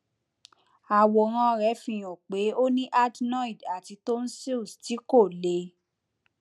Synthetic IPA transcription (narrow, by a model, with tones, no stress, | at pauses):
a˨wɔ˨ɾ̃ã˧ɾɛ˨˦fĩ˧˨j̃õ˨k͡pe˨˦o˦nĩ˦ʔa˦tnɔ̃˦i˨da˨ti˧to˦n̩˦si˦u˨sti˨˦ko˦˨le˨˦